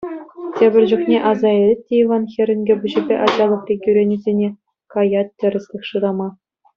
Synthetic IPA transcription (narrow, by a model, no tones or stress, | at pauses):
tʲebʲɘ̆rʲd͡ʑuknʲeʔɑzɑelʲɘt̚ʲːeiʋɑnxʲĕrʲɘ̆nʲɡʲɘ̆buʑibʲeʔɑd͡ʑɑlˠɤ̆χrʲekʲjyɾʲenʲizʲenʲe | kɑjɑt̚ʲtʲːɘ̆rʲɘ̆sʲlʲɘ̆xʂɯɾɑmɑ